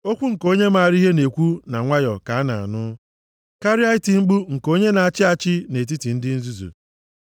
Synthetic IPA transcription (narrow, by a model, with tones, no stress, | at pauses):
o˦kʷu˦ŋ̩˨ko˦ɲe˦ma˨a˨ɾi˦ɦe˦ne˨kʷu˦na˨ŋʷa˦jɔ˨ka˨a˦na̰˨a̰˨nʊ˦ | ka˦ɾi˦a˦ɪ˦ti˨ŋ͡m̩˦ɡ͡bu˦ŋ̩˨ko˦ɲe˦na˨a˨t͡ʃɪ˦a˨t͡ʃɪ˦ne˨t̬i˦ti˨n̩˦dɪ˦n̩˦zu˦zṵ˨